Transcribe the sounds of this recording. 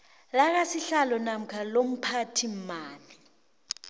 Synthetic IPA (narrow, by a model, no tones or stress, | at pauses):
lak̬asiɬalɔnam̩kʰalom̩pʰatʰim̩maːli